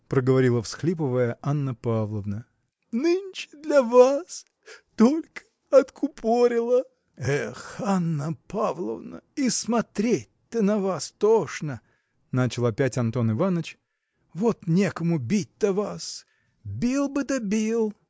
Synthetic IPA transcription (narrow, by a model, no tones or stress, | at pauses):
pɾəɡəvɐɾʲilˠəfsxlʲip̬əvəjəʔanːəpavlˠəvnə | nɨnʲt͡ɕɪ̥d̪lʲɐvas | t̪olʲkə̥ | ɐt̪kʰʊpʰoɾʲɪlˠə | ɛxanːəpavlˠə̰vnə̰ismɐt̪ɾʲet̚ʲt̪ənɐvast̪oʂnə | nat͡ɕɪlˠɐpʲætʲɐnt̪o̞nɪvanət͡ɕ | vot̪nʲekəmʊbʲit̚ʲt̪ːəvas | bʲilˠbɨt̪əbʲilˠ